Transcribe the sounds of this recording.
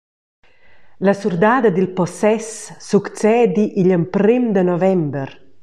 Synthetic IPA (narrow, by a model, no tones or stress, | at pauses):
lasurd̪aːd̪ad̪ilpɔsɛsːukt͡sɛːd̪iʔiʎəmpɾimd̪ənɔvɛmbəɾ